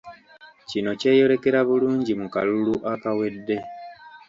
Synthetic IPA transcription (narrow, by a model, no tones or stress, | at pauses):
cino̞ce̞ːjo̞ɾe̞ke̞ɾaβuluːɲɟimukaluluʔakawe̞dːe̞